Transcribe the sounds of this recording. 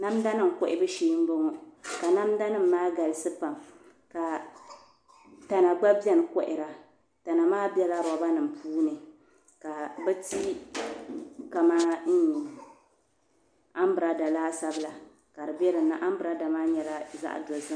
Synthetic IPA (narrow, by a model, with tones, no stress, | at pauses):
na˦mda˦nɨ˦˨m˨kɔ˦ʔɪ˦bɨ˦ʃiː˦m̩˦bo˦ŋɔ˨ka˨na˦mda˦nɨ˦m̩ː˦aː˦ɡa˨lsɨ˦pa˨m | ka˨ | ta˨na˨ɡ͡ba˦bɛ˦nɨ˨kɔ˦ʔɪ˨ɾa˨ | ta˨na˨maː˦bɛ˦la˦ɾɔ˨˦ba˦nɨ˨m̩˨pʰuː˦nɨ˨ | ka˨bɛ˦ti˦ | ka˨maː˦ɲi˨ | a˦m˦bɨ˨ɾa˨da˨laː˦sa˦bɨ˦la˨ | ka˨ɾɨ˨bɛ˦ɾɨ˨nnːa˦ʔa˦m˦bɨ˨ɾa˦da˨maː˦ɲɛ˨la˦za̰˦ʔdo˨zɨ˦m˦